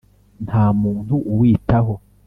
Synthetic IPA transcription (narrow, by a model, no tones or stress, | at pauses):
nhaːmuːn̥huʔuwiːtaɦo